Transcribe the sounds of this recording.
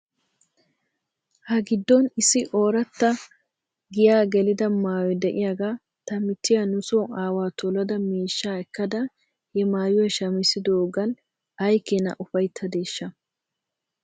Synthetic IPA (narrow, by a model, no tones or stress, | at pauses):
hɐɡɪd̪ːɔnɪsːɪʔoːɾɐt̪ːɐ | ɡɪjaːɡɛlɪd̪ɐmaːwɔd̪ɛʔɪjaːɡaː | t̪ɐmɪt̪ːɪjanʊsoːaːwaːt̪ɔlɐd̪ɐmiːʃːaːɛkːɐd̪ɐ | hɛmaːjʊɛʃɐmɪsɪd̪oːɡɐn | ɐjkːɛnɐ̰ʔʊfɐjt̪ʰːɐd̪e̞ːʃːɐ